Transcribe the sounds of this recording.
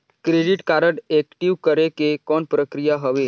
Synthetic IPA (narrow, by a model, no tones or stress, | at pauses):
kɾeɖɪʈkaːɾəɖeːkʈiʋkəɾekekɔːnpɾəkɾijaɦəʋeː